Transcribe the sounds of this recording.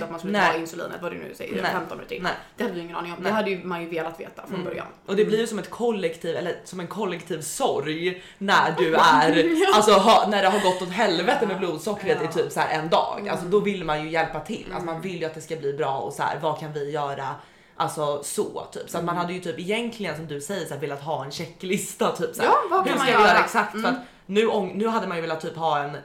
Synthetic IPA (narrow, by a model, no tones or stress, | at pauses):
t̪at̪manskəlnːɪnsʉlḭːnə̰t̪vadʉ̰nʉ̰sɛ̰jə̰ɾɛfɛmt̪ɔnʉ̰ːt̪ʰɪ̰nɛd̪ɛhad̪ːdɪjɪŋːənɑːnɪŋɔmd̪ɛɦad̪ːəjɵmanjɵveːlat̪vḛːt̪afɾɔnbœ̰ɾja̰nʔɔd̪ɛblɪɾjɵsɔmɛt̪kʰɔlːɛkt̪ʰiːvɛ̰lːəɾsɔmɛnkʰɔlːɛkt̪ʰiːvsɔɾj | næɖɵæɾalsɔɦɑnæɖɛɦaɾɡɔt̪ːɔt̪ɦɛlvɛt̪əmɛbluːd̪sɔkːɾət̪ɛt̪ʰyːpsæ̰ːɾʔɛnd̪ɑ̰ːɡa̰lsɔd̪ɔvɪlːmanjɵjɛlpat̪ʰɪ̰lːa̰t̪manvɪlːjɵat̪d̪ɛskabliːbɾɑːɔ̰sæ̰ːɾvɑkʰanvɪjœːɾa | ʔalsɔsɔ̰t̪ʰy̰ːpsɔat̪manhad̪ːəjɵt̪ʰyːpɪjɛnk̪ʰlɪɡənsɔmd̪ɵsɛjːəʂæːɾveːlːat̪ɦɑːɛnɕɛkːlɪst̪at̪ʰyːpsæhɵʂkaɪjœːɾaɛksak̚t̪fœɾat̪ | nʉ̟ːʔɔŋnʉ̟ːɦad̪ːəmanjɵvɛːlat̪ʰːyːpɦɑːɛn